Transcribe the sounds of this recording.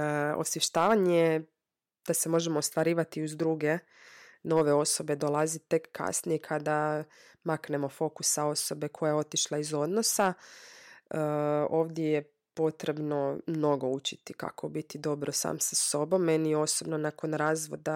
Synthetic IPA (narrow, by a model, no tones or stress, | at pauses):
o̰sjeʃt̪aːʋaɲe | d̪̥ase̞mo̞ʒemoːst̪ʋaɾiːʋat̪iuzd̪ɾuɡe̞ | no̞ʋe̞o̞so̞be̞d̪olˠazit̪e̞kːa̰snijekʰad̪a | makne̞mo̞fo̞kusao̞so̞be̞kʰo̞jao̞t̪iʃlˠaizo̞d̪no̞sa | əo̞ːʋd̪jeje | po̞t̪ɾe̞bno̞mno̞ɡo̞ut͡ʃit̪ika̰kʰobit̪id̪o̞bɾosa̰ːmsaso̞bo̞mːenio̞sobnonakonɾaːzʋo̞̰d̪a